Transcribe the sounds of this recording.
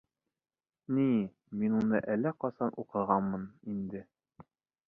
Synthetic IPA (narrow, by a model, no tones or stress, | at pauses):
ni | minunɤ̰ʔælːæqɒsɑnʔuqɤ̆ʁɑnmɤnind̪ɘ